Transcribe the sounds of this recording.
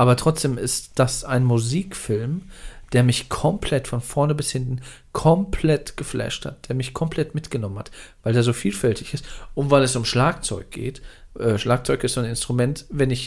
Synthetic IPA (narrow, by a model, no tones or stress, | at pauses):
ʔaːbɐtʁ̥ɔt͡sd̥eːmɪstd̥asʔaɪnmuziːkfɪlmd̥eːɐmɪçkʰɔmpʰl̥ɛtfɔnfɔɐnəbɪshɪntn̩ | kʰɔmpʰlɛtɡ̥əflɛ̰ʃtha̰t̚d̥eːɐmɪçkʰɔmpl̥ɛtmɪtɡ̥ənɔmənha̰tv̥aɪldeːɐzoːfiːlfɛltɪçɪstʔʊntv̥aɪlɛs̬ʊmʃlaːkt͡sɔʏk̚ɡ̥ḛːtʔɛːʃlaːk̚t͡sɔʏkɪstonɪnstʁ̥umɛntvɛnɪç